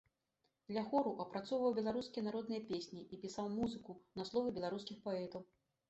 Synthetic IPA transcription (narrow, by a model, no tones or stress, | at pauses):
d̪lʲɐɣɔɾuʔɐpɾat̪sɔwvɐwbʲɛlˠaɾuskʲijɐnaɾɔd̪nɨjɐpʲesʲnʲiʔipʲisawmuzɨkunɐslˠɔvɨbʲɛlˠaɾuskʲixpaɛt̪ɐw